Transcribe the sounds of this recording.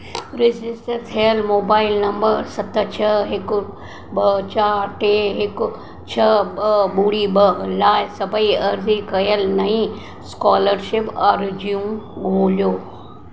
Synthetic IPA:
ɾɪzɪsʈət̪ʰijəlmoːbaːɪlnɐ̃mbəɾsɐt̪ʰt͡ɕʰɐɦɪkʊ | ɓɐt͡ɕaːɾʈeːɦɪkʊ | t͡ɕʰɐbəɓuːɽiɓəlaːɪsɐbʱəiɐɾzikɐjəlnɐɦĩ | skɔːləɾʃɪpɐɾd͡ʑijũmɡoːlijoː

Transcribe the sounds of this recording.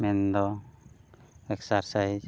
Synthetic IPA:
mɛnd̪ɔ | ɛksaɾsajd͡ʒ

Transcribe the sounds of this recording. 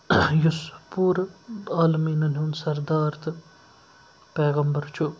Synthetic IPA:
jʊspuːɾaːlmiːnɐnunsɐɾd̪aːɾt̪ʰɨ | peːɣɐmbɐɾt͡ʃʰu

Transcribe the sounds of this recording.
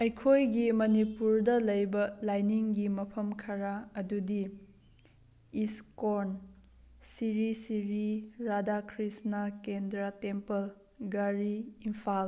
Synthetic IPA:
ɐjkʰojɡimɐnipuɾdɐlɐjbɐlajniŋɡimɐpʰɐmkʰɐɾaɐdudi | iskoɾn | siɾisiɾiɾadakʰɾisnakendɾatempɐl | ɡaɾiimpʰal

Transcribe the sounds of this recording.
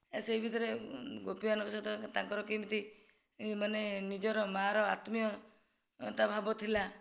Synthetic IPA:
eseibʱid̪ɔɾeɡopianɔkɔsad̪ɔt̪aŋkɔɾɔkimt̪i | manenid͡ʒɔɾɔmaɾɔat̪mijɔ | ɔt̪abʱabɔt̪ʰila

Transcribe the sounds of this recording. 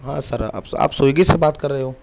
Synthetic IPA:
ɦãːsɐɾɐ̰pa̰ːpsoːjɡisebaːt̪kɐɾːɐɦeɦoː

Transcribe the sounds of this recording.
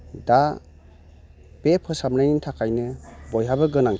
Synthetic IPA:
da | b̥epʰɯsamnajnintʰakʰajnɯbɔjɦabɯɡɯnaŋ

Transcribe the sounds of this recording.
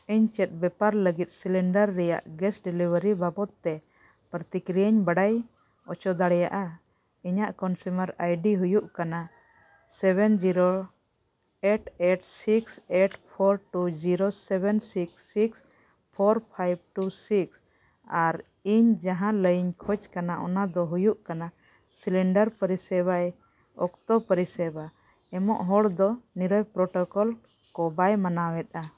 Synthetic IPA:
iɲt͡ʃɛt̪̚bɛpaɾləɡit̪̚ˀsilɛɳɖəɾːɛja̰ʔɡɛsɖilibəɾibabɔt̪̚ːɛ | pɾət̪ikɾijaɲbaɽaj | ɔt͡ʃɔd̪aɽɛjaʔa | iɲaʔkɔnsumaɾajɖiɦujuʔkana | sɛbɛnd͡ʒiɾo | eʈeʈsikseʈpʰɔɾʈud͡ʒiɾosɛbɛnsiksiks | pʰɔɾpʰajb̚ʈusiks | aɾ | iɲd͡ʒaɦãləjiɲkʰɔt͡ʃkanaʔɔ̰nad̪ɔɦujuʔkana | silɛɳɖəɾpəɾisɛbaj | ɔkt̪ɔpəɾisɛba | ɛmɔ̰ʔɦɔɽd̪ɔniɾɔjpɾɔʈɔkɔl | kɔbajmanawɛt̪̚a

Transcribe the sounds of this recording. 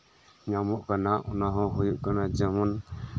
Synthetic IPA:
ɲamɔʔkanaɔnaɦɔ̃ɦujuʔkanad͡ʒəmɔn

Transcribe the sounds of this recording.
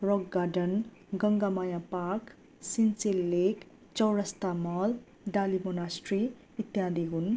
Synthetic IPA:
roɡɡaɖʌn | ɡʌŋɡamajapak | sint͡selːek | t͡sʌwɾʌst̪amʌl | ɖalibonasʈri | it̪jad̪ʱiɦun

